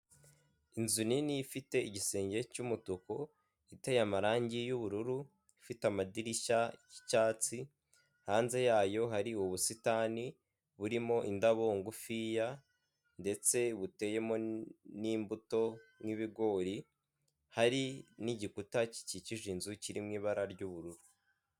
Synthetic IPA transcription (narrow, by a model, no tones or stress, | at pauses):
inzuniniːfite̞iɟise̞ːɲɟe̞cumutuko̞ | itejamaɾaːɲɟijuβuɾuɾu | ifitamadiɾiʃaji̥caːt͡si | haːnze̞jaːjo̞ɦaɾiuβusitani | βuɾimo̞ʔindaβoŋɡufija | nde̞t͡se̞βute̞je̞mo̞niːmbuto̞ŋŋiβiɡo̞ːɾi | haɾiniɟikutaci̥ciciʒinzuciɾimŋiːβaɾaɾɟuβuɾuɾu